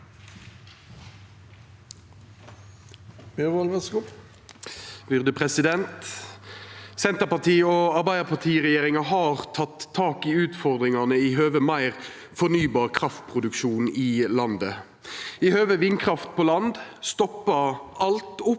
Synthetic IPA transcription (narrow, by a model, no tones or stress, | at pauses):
beʋɔlʋəskʊ | b̥ʏʁd̪əpʰʁɛsɪd̪ɛnt̪ | sɛnt̪əpɑt̪ʰiːoːɑʁbæɪd̪əpʰɑt̪ʰiːʁɛjeːʁɪŋɑɦɑːʁt̪ʰɑt̪ʰːɑːkɪʉːt̪fɔʁd̪ʁɪŋɑnəiɦøːʋəmɑɪʁ | fɔʁnyːbɑːʁkʰʁɑft̪̚pʰʁʊd̪ʉkʃuːniːlɑnd̪ə | ihøːʋəʋɪnkʰʁɑft̪̚pʰoːlɑnd̪st̪ɔpːəɑlt̪ʊp